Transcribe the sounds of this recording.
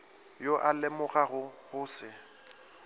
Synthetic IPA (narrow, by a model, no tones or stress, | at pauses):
joʔalɪmʊɣaɣʊhʊːsɪ